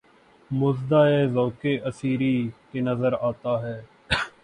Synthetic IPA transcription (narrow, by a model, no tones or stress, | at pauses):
mʊzd̪aːeːzoːkeːʔəsiːɾiːkeːnəzəɾaːt̪aːɦɛː